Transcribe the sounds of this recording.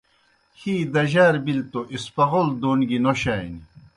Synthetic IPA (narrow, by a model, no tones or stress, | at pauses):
hiːd̪ɐʑaːɾbilt̪oʔispɐɣold̪oːnɡinoɕaːjni